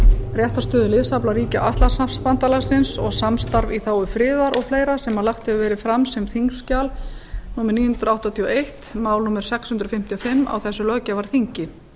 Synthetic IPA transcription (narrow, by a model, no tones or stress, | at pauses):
rjɛht̪ast̪œːðʏlɪðsaplaɾiːcaʔaht̪lasamspant̪alasɪnsɔɣsamst̪aɾviθaːwʏfɾɪːðaɾʔɔɣfleːjɾasɛmalaxt̪ɛvɛːɾɪfɾamsɛmθiŋkscalnuːmɛɾniːʏhnt̪ɾawht̪at̪ʰiɔejht̪maːwlnuːmɛɾ̥sɛkshʏnt̪ɾfɪm̥t̪ʰiɔfɪmːa̰wθɛsːʏlœːcavaɾ̥θiɲcɪ